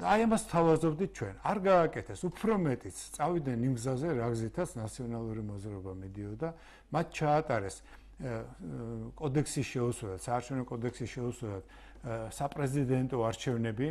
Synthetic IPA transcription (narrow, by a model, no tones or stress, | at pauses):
d̪aːjamasw̥t̪ʰavazɔbd̪it̪̚t͡ʃʰwɛnaɾɡaːkʼɛt̪ʰɛsupʰɾɔmɛt̪ʼit̪sʰt̪sʼavid̪nɛnimɡzazɛɾaɡzit̪ʰat̪sʰnat̪sʰiɔnalˠuɾimɔzɾaɔbamid̪iɔd̪a | mat̪̚ʰt͡ʃʰaːt̪ʼaɾɛs | kʼɔd̪ɛkʰsiʃɛuswɛlˠat̪saːɾt͡ʃʰɛvnɔkʼɔd̪ɛksisʃɛuswɛlat̪ | sapʼɾɛzid̪ɛnt̪ʼɔaɾt͡ʃʰɛvnɛbi